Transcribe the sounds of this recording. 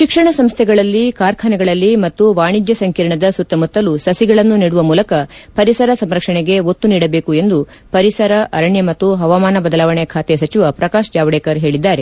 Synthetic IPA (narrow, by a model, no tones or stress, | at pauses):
ʃikʂɐɳɐsɐmst̪ʰɛɡɐɭɐlːikaːɾkʰɐnɛɡɐɭɐlːimɐt̪ːuʋaːɳid͡ʒjɐsɐŋkiːɾɐɳɐd̪ɐsut̪ːɐmut̪ːɐlusɐsiɡɐɭɐnːuniːɽuʋɐmuːlɐkɐpɐɾisɐɾɐsɐmɾɐkʂɐɳeɡe̞ot̪ːuniːɽɐbe̞ːkue̞nd̪u | pɐɾisɐɾɐʔɐɾɐɳjɐmɐt̪ːuɦɐʋaːmaːnɐbɐd̪ɐlaːʋɐɳɛjɐkʰaːt̪ɛsɐt͡ʃiʋɐpɾɐkaːʃd͡ʒaːʋɐɽeːkɐɾɦe̞ːɭid̪ːaːɾe̞